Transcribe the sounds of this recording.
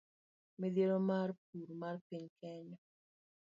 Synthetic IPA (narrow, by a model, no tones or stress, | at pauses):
mid̪jeɾomarp̚uɾmarpiɲkʰɛɲɔ